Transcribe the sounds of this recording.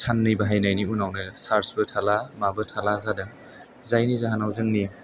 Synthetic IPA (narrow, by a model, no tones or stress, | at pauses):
tʰanːɯjbaɦajnajniunawnɯsaɾsbɯtʰalamabɯtʰalazadɯŋ | zajnizaɦanawzɯŋni